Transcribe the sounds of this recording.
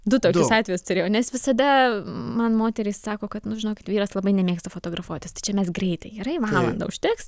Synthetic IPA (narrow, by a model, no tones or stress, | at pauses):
d̪ʊt̪oːkʲʊssɑːt̪ʲʋʲɛjʊst̪ʊɾʲeːjoːnʲɛsʋʲɪsɐd̪ɐmɐnmoːt̪ʲɛɾʲiːssɑːkoːkɐt̪nʊʒʲɪnoːkʲɪt̪ʋʲiːɾɐslˠɐbɐɪnʲɛmʲeːkst̪ɐfot̪oːɡɾɐfuɔt̪ʲɪst̪ɐɪt͡ʃʲɛmʲɛsɡɾʲɛɪt̪ɐɪɡiɾɐɪʋɑːlˠɐ̰nd̪ɐ̰ʊʃʲt̪ʲɪks